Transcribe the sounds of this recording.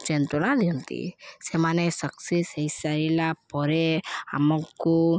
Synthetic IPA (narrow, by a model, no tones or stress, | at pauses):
t͡ʃent̪oɽ̃ãd̪iɦũnt̪ḭsemanesəksisejsaɾilapɔɾea̰mɔ̃kːu